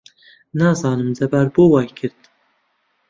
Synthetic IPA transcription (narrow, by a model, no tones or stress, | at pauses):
nɑzɑːnɨmzɛbæɾbowɑjkʰɨɾd̪